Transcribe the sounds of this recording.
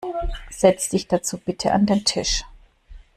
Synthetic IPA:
z̥ɛt͡sd̥ɪçd̥at͡suːb̥ɪtʰəʔa̰ndeːntʰɪʃ

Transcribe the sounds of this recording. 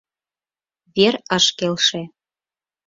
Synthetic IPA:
βeɾəʃkelʃĕ

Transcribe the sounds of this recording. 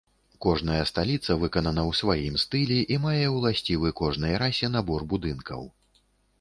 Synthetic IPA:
kɔʐnɐjɐst̪alʲit̪sɐvɨkɐnɐnɐwsvajimst̪ɨlʲɛʔimajɛwlˠasʲt͡sʲivɨkɔʐnɨjɾasʲɛnabɔrbud̪ɨnkɐ̰w

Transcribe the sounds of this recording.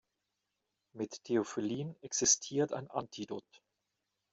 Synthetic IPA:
mɪttʰeofiliːənɛksɪstʰiːɐta̰ɪnʔantʰidoːt

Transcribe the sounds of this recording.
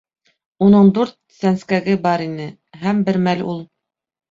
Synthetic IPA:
unɤɴd̪ʉɾt̪̚sænskæɡɘbɑɾinɘ | ɦæmbɘɾmælulˠ

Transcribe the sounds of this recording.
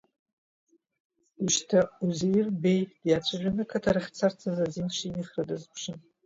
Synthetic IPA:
uʃtʰauzijɪrbejd̥jat͡ɕʷʰaʒʲʷᶣanɨkʰatʰaɾɨχʲt͡sʰart͡sʰazazinʂiniχradɨzpʰʂɨn

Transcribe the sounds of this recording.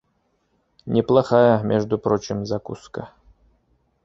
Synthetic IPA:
nʲɪplˠaχajəmʲʔeʐd̪upɾot͡ɕɪmzakṵskə

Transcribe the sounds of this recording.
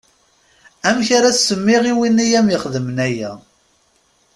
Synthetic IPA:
æmçaɾat͡ssəmːɪʁiwinːijæmjəχðəmənæjæ̰

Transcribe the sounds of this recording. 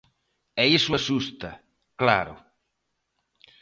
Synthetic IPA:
ɛisʊasust̪ɐ̰ | kla̰ɾʊ̰

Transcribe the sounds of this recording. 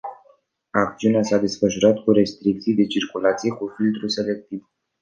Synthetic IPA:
akt̪siuneasad̪e̞sfəʃuɾat̪kuɾe̞st̪ɾik̚t̪sijd̪e̞t͡ʃirkulat̪sije̞kufilt̪ɾuse̞le̞k̚t̪iv

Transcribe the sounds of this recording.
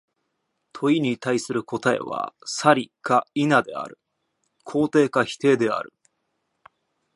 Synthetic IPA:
t̪ʰo̞iɲ̟it̪aisɨɾɯ̟ko̞t̪ae̞̰βa̰saɾʲikainad̪e̞̰a̰ɾɯ̟ | kʰo̞ːt̪e̞ːkaçi̥t̪e̞ːd̪e̞a̰ɾɯ̟̰

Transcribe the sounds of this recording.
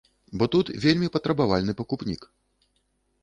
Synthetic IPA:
bɔt̪ut̪vʲelʲmʲipɐt̪ɾɐbavalʲnɨpɐkupnʲḭk

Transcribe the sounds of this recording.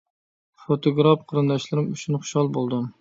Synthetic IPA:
fot̪ʰoɡɾɑpqʰəɾɨnd̪ɑʃlˠɨɾɨmyt͡ʃʰynχʊ̥ʃhɑlˠbolˠd̪um

